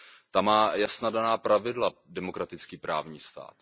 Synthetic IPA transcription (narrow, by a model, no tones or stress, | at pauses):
t̪amaːjasnadanaːpɾavɪdladɛmo̞kɾat̪ɪt͡skiːpɾaːvɲiːst̪a̰ːt̪